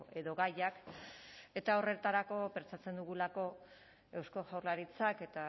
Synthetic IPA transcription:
e̞ðo̞ɣajak | e̞t̪ao̞re̞t̪aɾako̞pe̞nt͡sat͡se̞nd̪uɣulako̞ | e̞wsko̞ʝawrlaɾit͡sake̞t̪a

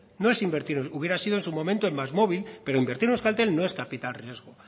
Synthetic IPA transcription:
no̞e̞simbeɾt̪iɾuβje̞ɾasiðoensumõ̞mẽnt̪oemːazmo̞βilpe̞ɾoimbeɾt̪iɾneskalt̪e̞lno̞e̞skapit̪alrje̞zɣ̞o

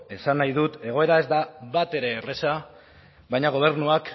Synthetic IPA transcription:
e̞sanːajðut̪e̞ɣ̞o̞e̞ɾae̞zd̪aβat̪e̞ɾe̞re̞sa | βajɲaɣ̞o̞β̞e̞ɾnuak

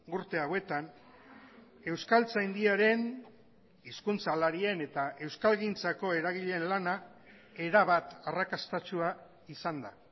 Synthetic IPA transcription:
uɾt̪e̞awe̞t̪an | e̞wskalt͡sajnd̪iaɾe̞n | iskunt͡salaɾie̞ne̞t̪aʔe̞wskalɣint͡sako̞e̞ɾaɣ̞iʎe̞nlana | e̞ɾaβ̞at̪arakast̪at͡ʃua | isand̪a

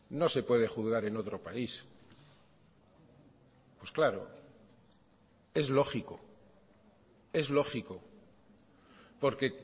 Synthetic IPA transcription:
no̞se̞pwe̞ð̞e̞xuðɣaɾe̞no̞t̪ɾo̞pais | pwesklaɾo̰ | e̞zlo̞χiko̞ | e̞zlo̞xiko | po̞ɾke̞

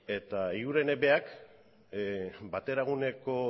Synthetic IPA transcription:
e̞t̪aiuɾe̞neβe̞ak | bat̪e̞ɾaɣ̞une̞ko̞

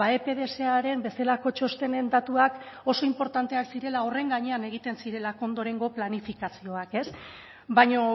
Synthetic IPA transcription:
aepe̞ðeseaɾe̞mbe̞selako̞t͡ʃo̞st̪e̞ne̞nd̪at̪uak | o̞so̞impo̞ɾt̪ant̪e̞aksiɾe̞lao̞re̞ŋɡaɲe̞aneɣ̞it̪e̞nsiɾe̞lakond̪o̞ɾe̞ŋɡo̞planifikasio̞ake̞s | bajɲo

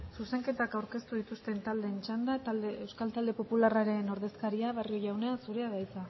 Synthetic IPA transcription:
suse̞ŋke̞t̪akawɾke̞st̪uðit̪ust̪e̞nt̪ald̪e̞nt͡ʃand̪at̪ald̪eewskalt̪ald̪e̞po̞pularaɾe̞no̞ɾðe̞skaɾiaβ̞ario̞ʝawne̞asuɾe̞aðajt͡s̪a

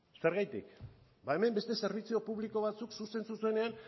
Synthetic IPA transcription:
se̞ɾɣajt̪ḭk | bae̞me̞mbe̞st̪e̞se̞ɾβ̞it͡sio̞puβliko̞β̞at͡suksuse̞nsusue̞ne̞an

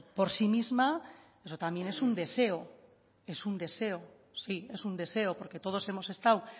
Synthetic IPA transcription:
po̞ɾsimizma | e̞sot̪amje̞ne̞sund̪e̞se̞o | e̞sund̪e̞se̞o | sie̞sund̪e̞se̞opo̞ɾke̞t̪o̞ð̞o̞se̞mo̞se̞st̪aw

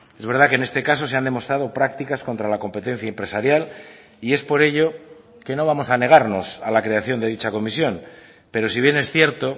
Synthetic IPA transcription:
e̞zβe̞ɾð̞ake̞ne̞st̪e̞kaso̞seand̪e̞mo̞st̪ɾaðo̞pɾak̚t̪ikasko̞nt̪ɾalako̞mpe̞t̪ẽ̞n̟θjaempɾe̞saɾjal | ie̞spo̞ɾe̞ʎo̞ | ke̞no̞β̞amo̞sane̞ɣ̞aɾno̞salakɾe̞aθjo̞nd̪e̞ð̞it͡ʃako̞misjo̞n | pe̞ɾo̞siβ̞je̞ne̞sθje̞ɾt̪o̞

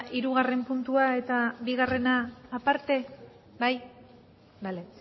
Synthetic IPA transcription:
ʔiɾuɣare̞mpunt̪uae̞t̪abiɣ̞are̞naːpaɾt̪e̞ | baj | bale

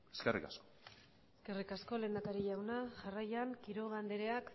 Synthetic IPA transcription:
eskerḭkasko | eske̞rikasko̞le̞ːnd̪akaɾiʝawnaʝarajaŋkiɾo̞ɣand̪eɾe̞ak

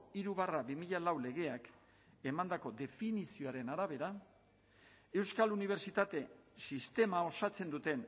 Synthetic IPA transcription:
iɾuβaraβimiʎalawle̞ɣe̞ak | e̞mand̪ako̞d̪e̞finisio̞aɾe̞naɾaβe̞ɾa | e̞wskaluniβ̞e̞ɾt͡ʃit̪at̪e̞sist̪e̞mao̞sat͡se̞nd̪ut̪e̞n

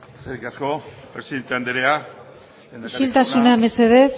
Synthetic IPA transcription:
seɾikaskopɾesiðent̪eand̪eɾea | iʃilt̪asuname̞se̞ðeθ

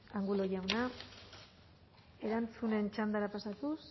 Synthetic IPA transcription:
aŋɡulojawna | e̞ɾant͡sune̞nt͡ʃand̪aɾapasat̪us

